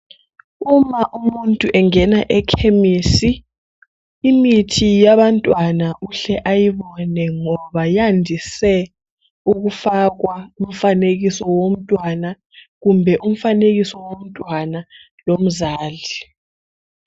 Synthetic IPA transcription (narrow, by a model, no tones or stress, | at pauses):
umaʔumuntʼuʔɛŋɛnaʔɛkʰemiːsi | mitʰijaβantʼwanaʔuɬɛʔajiβɔnɛŋɔβajandʱisɛ | uɣufaɣwaum̩faneɣisɔwom̩tʼwana | ɣumbʱɛʔum̩faneɣisɔwom̩tʼwana | lom̩zaːɮi